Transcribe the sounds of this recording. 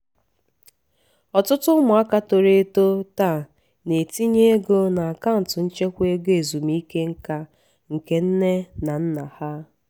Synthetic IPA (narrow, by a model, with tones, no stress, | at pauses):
ɔ˨tʊ˦tʊ˦mʊ˨a˦ka˦to˨ɾe˦˨˦to˦ta˦˨ | ne˨ti˦ɲe˦e˦ɡo˦na˨a˨ka˦n̩˨tʊ˨n̩˦t͡ʃe˦kʷe˦ɡe˨zu˨mi˦ke˦ŋ̩˦ka˦ | ŋ̩˨ke˦n̩˦ne˦na˨n̩˦na˨ha˦